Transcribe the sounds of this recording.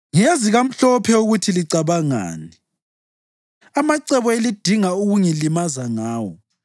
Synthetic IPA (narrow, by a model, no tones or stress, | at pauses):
ŋijaziɣam̩ɬɔpʰɛuɣutʰiliǀaβaŋa̰ːni | amaǀɛβɔelid̥ʱiŋauɣuŋilimazaŋaːwɔ̰